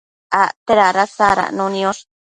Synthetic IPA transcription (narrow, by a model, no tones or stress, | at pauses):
aʔt̪eɾaɾasaɾa̰nũnĩoʂ